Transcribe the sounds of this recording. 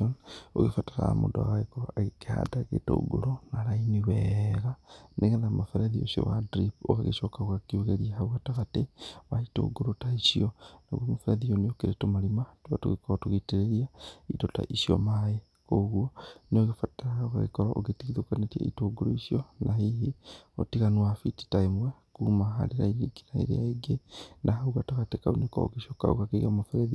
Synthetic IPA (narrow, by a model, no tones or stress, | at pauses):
ono̰ɣefataɾa̰mo̰ndoa̰ɣaɣekoɾaaɣikea̰daɣḛto̰ṵɡo̰ɾonaɾainiweɣanʔeɣeðamafeɾeðio̰sio̰wadɾipoɣaɣḛʃokaɣwakioɣeɾiahawataɣateβaito̰uɡoɾotaiʃiona̰ɣwomofeɾeðijoniokeɾetomalimatuβatuɣikoɾatuɣiteɾeɾiaitota̰ʔiʃiɔ̰maje | koɣwoneoɣefataɾaoɣa̰ɣḛkoɾaʔo̰ɣetiɣiðokanetia̰ḭtoɡoɾoiʃionʔaɦiɦio̰tiɣanwafiti̥taemwakumaɦa̰leɾainiɡiɾaḛɾḛa̰eɡenʔaɦauɣataɣatekaunekɔ̰o̰ɣeʃɔka̰o̰ɣakeɣamofɾɛði